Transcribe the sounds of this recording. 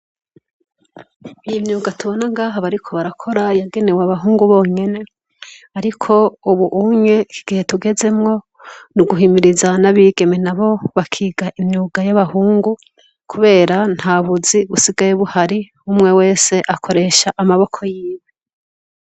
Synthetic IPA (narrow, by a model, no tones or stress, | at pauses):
ijimɲuːɡatuβo̞naŋɡaːɦaβaɾikʰo̞βaɾakʰo̞ɾajaɡe̞ne̞waβaɦuːŋɡuβo̞ːɲe̞ne̞ | aɾikʰo̞uβuʔuɲe̞kʰiɡ̥ihe̞tuɡe̞ze̞mŋo̞ | nuɡuɦimiɾizanaβiːɡe̞menaβo̞βakʰiːɡaʔimɲuːɡajaβahuːŋɡu | kʰuβe̞ːɾan̥haβuziβusiɡajuβuhaɾi | umŋe̞we̞ːse̞ʔakʰo̞ɾe̞ʃaʔamaβo̞kʰo̞jiːβe